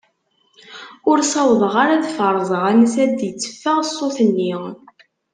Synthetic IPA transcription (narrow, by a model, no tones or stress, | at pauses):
ʊɾsɑwðˤəʁaɾaðfəɾˤzˤʁænsæd̪jət͡sːə̥fːəʁəsˤːoθənːi